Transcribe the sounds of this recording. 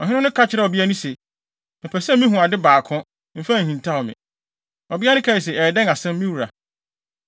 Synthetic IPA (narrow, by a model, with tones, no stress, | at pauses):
ɔ˨ɦɪ̃˦nʊ̃˦nʊ̃˦kʰa˦t͡ɕʰɪ˨ɾɛ˨ɔ˨bi˦a˦nũ˦sɛ˨ | mɪ̃˨pʰɛ˨sɛ˦mĩ˦ɦũ˨a˨dɪ˦baː˨kʰʊ̃˦ | m̩˦fã˦˨hĩ˨ntʰa˦ɔ˨mɪ̰̃˨ | ɔ˨bi˦a˦nʊ̃˦kʰa˦˨i˨s̬ɛ˨ɛː˨dɛ̃˦ŋa˨sɛ̃˦m˦mĩ˦wu˨ɾa̰˨